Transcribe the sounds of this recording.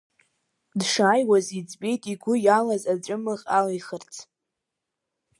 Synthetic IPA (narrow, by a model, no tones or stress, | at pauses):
dʂaːjwazit͡sʼbʲʼe̞jtʼiɡʷʊjalazab͡ʐʷʼʊmɨχʲʼalajχərt͡sʰ